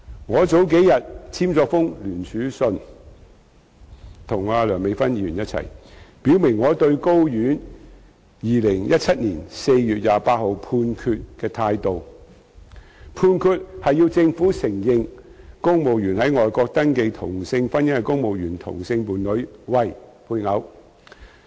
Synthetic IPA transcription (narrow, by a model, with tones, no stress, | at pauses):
ŋɔː˨˧t͡so˨˥wk̬e˨˥jɐ˨t̚t͡sʰiː˥mt͡sɔː˧k̚fʊ˥ŋlyː˨˩nt͡sʰyː˨˥sɵ˧n | t̪ʰʊ˨˩ŋaː˧lœː˨˩ŋme˨˧jfɐ˥njiː˧jy˨˩jɐ˥t̚t͡sʰɐ̰˨˩jpiː˨˥wmɪ˨˩ŋːɔː˨˧t̪ɵ˧ɥko˥wjyː˨˥n | jiː˨˧lɪ˨˩ŋjɐ˥t̚t͡sʰɐ˥t̚liː˨˩nse˧jjyː˨t̚jaː˨paː˧t̚ho˨wpʰuː˧nkʰyː˧t̚kɛː˧t̪ʰaː˧jt̪o˨w | pʰuː˧nkʰyː˧t̚hɐ˨jiː˧wt͡sɪ˧ŋfuː˨˥sɪ˨˩ŋjɪ˨˧ŋkʊ˥ŋmo˨wjyː˨˩nhɐ˨˥jŋɔː˨jkɔː˧k̚t̪ɐ˥ŋke˧jt̪ʰʊ̰˨˩ŋsɪ˧ŋfɐ˥njɪ˥ɐ˨˩kʊ˥ŋmo˨wjyː˨˩nt̪ʰʊ̰˨˩ŋsɪ˧ŋpuː˨nlɵ˨˥ɥwɐ˨jpʰuː˧jŋɐ˨˥w